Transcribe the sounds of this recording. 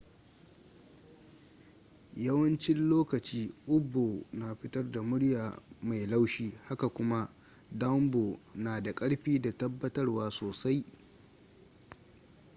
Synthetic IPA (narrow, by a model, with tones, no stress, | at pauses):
jɐ˦wɐ˦nt͡ʃɪ˦nloː˦kɐ˨t͡ʃiː˦ʔʊ˦bːoː˨na˨ɸɪ˦tɐ˦rda˨mʊ˦ɽjaː˨ma˨jla˦wʃiː˦ha˦ka˨kʷʊ˦ma˦ | dɐ˦mbo˨naː˨da˨kʼɐ˦ɽɸiː˦da˨tɐ˦bːɐ˦tɐ˦rwaː˨soː˨sa˦j